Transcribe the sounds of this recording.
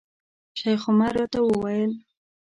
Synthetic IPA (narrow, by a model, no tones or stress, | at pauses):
ʃajxʊmaɾjɔt̪awəwajəl